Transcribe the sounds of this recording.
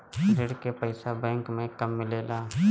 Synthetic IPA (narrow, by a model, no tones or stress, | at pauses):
ɾɪɽkepəɪsabɛ̃ːŋkmẽkəmːɪleːlaː